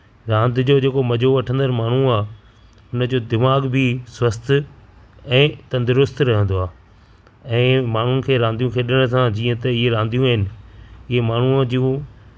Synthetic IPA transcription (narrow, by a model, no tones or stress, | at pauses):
ɾãːnd̪ʱɪd͡ʑoːd͡ʑeːkomɐd͡ʑʱoʋɐʈʰə̃nd̪əɾmaːɳ̤ũaː | ʊnə̆d͡ʑoːd̪ɪmaːɡbʱɪswɐst̪ʰ | ɛ̃ːt̪ɐ̃nd̪ɪɾʊst̪ʰɾɐɦə̃nd̪oaː | ɛ̃ːmaːɳ̤ʊnɪ̆kʰeːɾãːnd̪ijũkʰeːɗɪəɽ̃sãd͡ʑiːə̃t̪ɐɪɦeɾãːnd̪ijũaːɦɪnɪ̆ɪɦemaːɳ̤ud͡ʑiũ